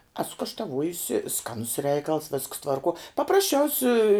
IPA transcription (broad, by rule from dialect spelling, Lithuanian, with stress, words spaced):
ˈæːsʊ kɐʃtɐˈʋuɔjʊsʲɪ ˈskɑːnʊs ˈrʲɛɪkɐlˠs ʋʲɪsks tʋɐrˈkuɔ pɐprɐsʲˈt͡ʃʲɛʊsʲɪ